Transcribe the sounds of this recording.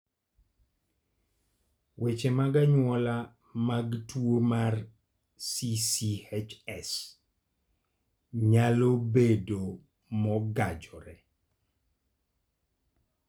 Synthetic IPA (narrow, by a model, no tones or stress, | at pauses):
wʔet͡ʃemaɡaɲwɔla | maɡtwomar | sisiet͡ʃɛs | ɲalobedo | mɔɡad͡ʒɔɾɛ